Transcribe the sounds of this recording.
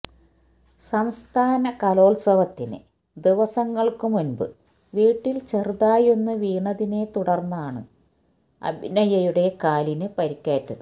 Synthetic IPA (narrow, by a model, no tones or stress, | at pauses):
sɐmst̪ʰaːnɐkɐlo̞ːɭsɐʋɐt̪ːinɨ̰ | d̪iʋɐsɐŋːɐɭkɨmunbɨ̰ | ʋiːʈːilt͡ɕerðaːjo̞nːɨʋiːɳɐðine̞t̪uɽɐrnːɐaːɳɨ̰ | ɐ̰bʱinɐjɐjuɽe̞kaːlinɨpɐɾikʲːaːtːɐðɨ